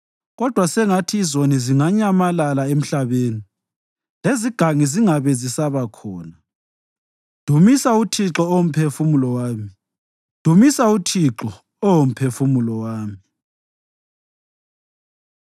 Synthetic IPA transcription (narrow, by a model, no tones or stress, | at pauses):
ɣɔd̥ʱwasɛŋatʰiːzoniziŋaɲamalalaem̩ɬaβeːni | leziɡ̥ʱaŋiziŋaβɛzisaβakʰɔːna | d̥ʱumisautʰiǁɔːwom̩pʰefumulɔwaːmi | d̥ʱumisautʰiǁɔ | ɔwom̩pʰefumulɔwaːmi